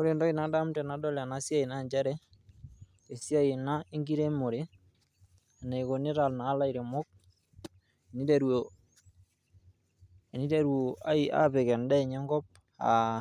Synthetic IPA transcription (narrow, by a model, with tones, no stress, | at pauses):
ko˦ɾe˨ndɔ˦i˨na˨da˦mtɛ˨na˨˦dɔ˦lɛ˨a˨na˨˦sja˦i˨na˦˨ɲd͡ʒa˦ɾɛ˦ | e˨sja˦i˨na˦e˦ŋɡi˦ɾe˦mo˨ɾe˦ | a˨na˨i˨ko˨ne˦ɾa˨lnaː˨˦la˦i˨ɾe˨mo˦k̚ | e˨ni˦da˨ɾwo˨ | e˨ni˦da˨ɾwo˨a˦i˦ʔa̰˦pe˨kɛ˨nda˦˨ɲɛ˦ŋɡɔ˦p̚ | a̰˨